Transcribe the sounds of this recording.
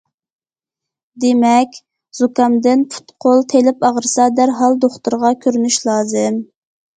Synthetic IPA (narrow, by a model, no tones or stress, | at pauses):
d̪emɛkʲ | z̥ukɑmd̪ɪnpʰu̥t̪qʰolˠt̪ʰelɪpɑʁəɾɨsɑd̪æɾɦɑlˠd̪oχt̪uɾʁɑkʲʰøɾynyʃlˠɑːzɨm